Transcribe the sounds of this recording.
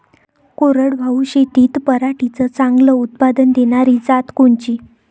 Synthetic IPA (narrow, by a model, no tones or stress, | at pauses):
koɾəɽʋʱauɕit̪iːt̪pəɾaʈit͡sət͡saŋɡləut̪̚pad̪ənd̪eɽ̃aɾid͡zat̪koɳt͡ɕiː